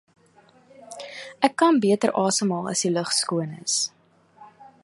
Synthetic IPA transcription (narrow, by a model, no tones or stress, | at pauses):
ʔækːɐnbiətərʔɑːsəmɑːlˠɐ̰siləχskuənə̰s